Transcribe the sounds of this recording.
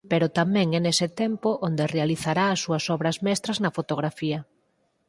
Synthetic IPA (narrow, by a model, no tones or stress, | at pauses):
peɾʊt̪amɛ̃ŋɛnesɪt̪ɛmpoʔond̪erealiθaɾaːsːuɐsɔβɾɐzmɛst̪ɾɐznɐfot̪oɣ̞ɾafiɐ